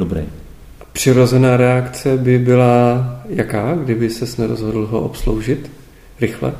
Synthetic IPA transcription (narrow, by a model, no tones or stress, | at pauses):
dobɾɛ̰j | pr̝̥ɪɾo̞zɛnaːɾɛakt͡sɛbɪbɪlajakaːɡdɪbɪsɛsnɛɾozɦo̞dl̩ɦoʔo̰pslowʒɪt̪ | ɾɪxlɛ̰